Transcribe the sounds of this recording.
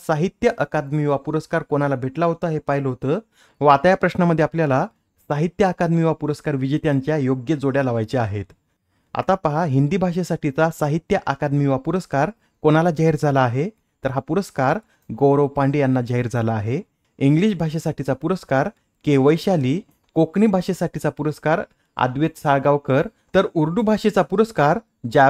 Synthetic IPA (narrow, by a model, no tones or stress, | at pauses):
saɦit̪jəʔəkad̪miːʋapuɾəskaɾkoñalabʱeʈlaɦot̪əaɦepaɦilɦot̪əː | ʋat̪ajapɾəɕnaməd̪ʱjeapljala | saɦit̪jəakad̪miʋapuɾəskaɾʋid͡ʑet̪jaɲt͡ɕjajoɡjəd͡zoɽjaləʋajt͡ɕeaɦet̪ | a̰t̪apaɦaɦind̪iːbʱaʂ̬esaʈʰit͡sasaɦit̪jəʔəkad̪miʋapuɾəskaɾ | konalad͡ʑaɦiɾd͡zʱalaːɦe | t̪əɾɦapuɾəskaɾ | ɡowɾəwpaɳɖijanːad͡ʑaɦiɾd͡zʱalaːɦe | iŋɡliɕbʱaʂ̬esaʈit͡sapuɾəskaɾ | keʋəjɕaliː | kokɳibʱaʂesaʈit͡sapuɾəskaɾ | a̰d̪ʋet̪saɭɡaʋwkəɾ | t̪əɾuɾd̪ubʱaɕet͡sapuɾəskaɾ | d͡ʑa